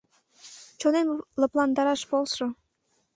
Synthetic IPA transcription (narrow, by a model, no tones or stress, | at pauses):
t͡ɕonemlə̆plɑnd̪ɑɾɑʃpolsʃŏ